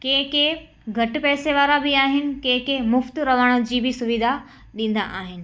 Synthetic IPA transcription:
kẽɦke | ɡʱɐʈɪ̆pɛːseʋaːɾabɪaːɦɪnɪ̆kẽɦkemʊft̪ɾɐʋaːɽ̃od͡ʑiːbɪsʊʋid̪ʱa | ɗĩːn̆d̪a̰ʔaːɦɪnɪ̆

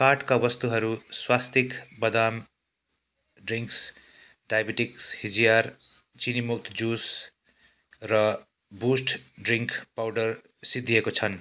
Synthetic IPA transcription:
kaʈkawʌst̪uɦʌɾuswast̪ikbʌd̪am | ɖriŋks | ɖajbiʈikshid͡zijar | t͡sinimuk̚t̪d͡zus | rʌ | busʈɖriŋkʰpawɖʌr | sid̪ʱːijekot͡sʰʌn

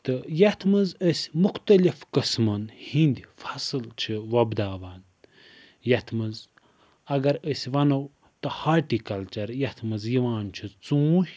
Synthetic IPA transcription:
t̪ɨjɐt̪ʰmɐzəsʲmuxt̪ɐlifkɨsmɐnhind̪ʲifʰɐsɨlt͡ʃʰiʋɐbd̪aːʋaːn | jɐt̪ʰmɐz | ɐɡɐɾəsʲʋɐnɐw | t̪ɨhaːʈikɐlt͡ʃɐɾjɐt̪ʰmɨzjiʋaːnt͡ʃʰit͡sũːhʲ

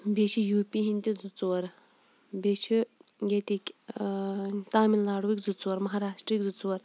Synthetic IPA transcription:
beʃijuːpiɦint̪ʲid͡zut͡swɐɾ | beʃʰiɡet̪ikʲ | t̪aːminlaːɽuʋikʲzut͡swɐɾmɐɦaːɾaːʂʈɾiːkʲd͡zut͡swɐɾ

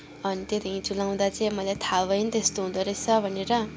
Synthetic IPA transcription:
ʌnit̪et̪iĩt͡sulaw̃d̪at͡sej̃mʌjlajt̪ʰabʌjnt̪est̪oɦũd̪ʌɾet͡sʰʌbʱʌneɾʌ

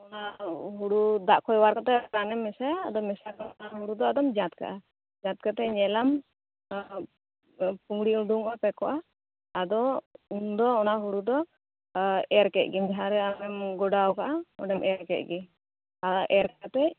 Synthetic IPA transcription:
ɔnaɦuɽud̪aʔkʰɔjwaɾkaʔt̪ɛkanɛmːɛsaːd̪ɔmɛsakanɔnaɦuɽud̪ɔad̪ɔmd͡ʒãt̪̚ka̰ʔa | d͡ʒãt̪̚kat̪ɛɲɛlam | puŋɽiuɖuŋkapɛkɔʔaː | d̪ɔund̪ɔːnaɦuɽud̪ɔ | ɛɾkɛt̪̚ˀɡimd͡ʒaɦaɾɛamɛmɡɔɖawkaʔaɔɖɛmʔɛɾkɛt̪̚ˀɡi | aʔɛɾkat̪ɛʔ

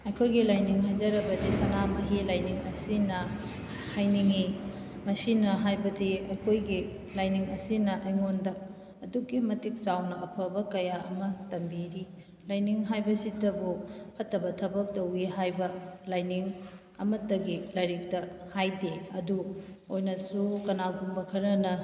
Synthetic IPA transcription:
ɐjkʰojɡilajniŋɦajd͡ʒɐɾɐbɐdisɐnamɐɦilajniŋɐsinɐ | hajniŋi | mɐsinɐɦajbɐdiɐjkʰojɡi | lajniŋɐsinɐʔɐjŋondɐː | dukːimɐtik̚t͡ʃawnɐɐpʰɐbɐkɐjaʔɐ̰mɐtɐmbiɾi | lajniŋɦajbɐsidɐbupʰɐtːɐbɐtʰɐbɐk̚towiɦajbɐlajniŋ | ɐmɐtːɐɡilɐɾik̚tɐhajdeɐduojnɐsukɐnaɡumbɐkʰɐɾɐnɐ

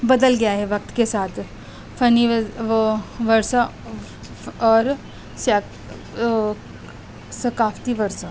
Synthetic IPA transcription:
bɐd̪əlɡɐjaɦɛʋɐk̚t̪kesaːt̪ʰ | fɐni | ʋɐɾsa | ɔːɾ | sa | sɐkaːft̪iʋɐɾsa

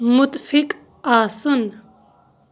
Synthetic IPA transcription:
mʊt̪fik | aːsun

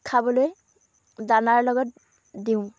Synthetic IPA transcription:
kʰabɔloj | danaɹlɔɡɔt̚ | diʊ̃

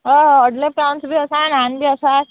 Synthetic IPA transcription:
ɦəɦəɖlepɾawnsbʱiəsananbʱiəsat̪̚

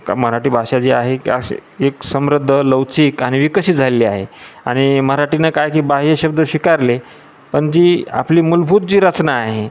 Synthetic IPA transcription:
kməɾaʈiːbʱaɕad͡ʑiːaɦekaseksəmɾəd̪ʱːələwt͡siːkaɽ̃iʋikəɕit̪d͡zʱaleliːaɦeaɽ̃iməɦɾaʈinakajkiːbaɦjeɕəb̚d̪əɕikaɾle | pəɳd͡ʑiːa̰pliːmulbʱuːt̪̚d͡ʑiːɾət͡snaːɦe

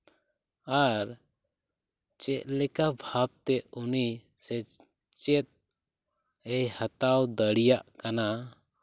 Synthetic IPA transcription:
aɾ | t͡ʃɛʔ̪̚lɛkabʱab̚t̪ɛuni | sɛ | t͡ʃɛt̪̚ | ɛjhat̪awd̪əɽijaʔkana

